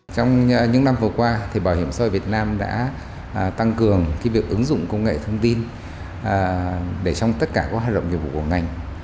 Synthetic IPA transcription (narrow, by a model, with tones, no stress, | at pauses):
t͡ɕɔ˧wŋ͡mɲɨ̰˧˥ŋna˧mvɨ˨˩əkwaː˧t̪ʰi˨˩ɓaː˧˩whi˧˩əmsa˧˨˩vi˨˩ət̚naː˧mɗa̰ː˧˥ | t̪a˧ŋkɨ˨˩əŋkaː˨˦jvi˨˩ək̚ʔɨ˨˦ŋzʊ̰˧˨ŋ͡mkə˧wŋ͡mŋḛ˧˨t̪ʰə˧əŋ͡mt̪i˧nː˨˩ | ɗe˧˩t͡ɕɔ˧wŋ͡mt̪ə˦˥t̚kaː˧˩kɔ˨˦haː˨˩ɗə̰˧˨ŋ͡mɲḭ˨˩vṵ˧˨ku˧˩ŋa˨˩jŋ̟